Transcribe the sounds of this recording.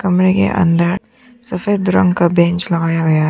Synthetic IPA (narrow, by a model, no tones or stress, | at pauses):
kɐmɾekḛʔɐ̰̃nd̪əɾ | sɐfeːd̪ʊɾə̰̃ŋɡkabẽːɲt͡ʃlɐɡaːjaɡɐja